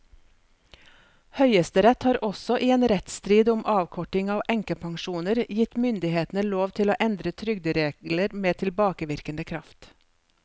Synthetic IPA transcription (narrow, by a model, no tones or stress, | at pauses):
hœʏəst̪əɾɛt̪hɑːɾʔɔsɔʔiːeːnɾɛt̪st̪ɾiːd̪ʊmʔɑːʋkʰɔʈɪŋɑːʋʔɛŋkəpʰɑŋʃuːnəɾjɪt̪mʏnd̪ɪheːt̪n̩əloːʋt̪ʰɪloːʔɛnd̪ɾət̪ʰɾʏɡ̚d̪əɾeːləɾmeːt̪ʰɪlbɑːkəʋɪɾkənd̪əkʰɾɑft̪